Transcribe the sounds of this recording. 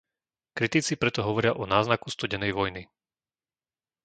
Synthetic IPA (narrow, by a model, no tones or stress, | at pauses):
kɾit̪it͡sipɾɛt̪ɔɦɔʋɔɾɪaʔɔnaːznakust̪uɟɛnɛjʋɔjni